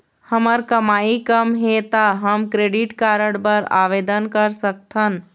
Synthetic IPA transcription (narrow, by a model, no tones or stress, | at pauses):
həməɾkəmaikəmɦet̪aɦəmkɾeɖiʈkaɾəɽbəɾa̰ʋed̪ənkəɾsək̚t̪ʰən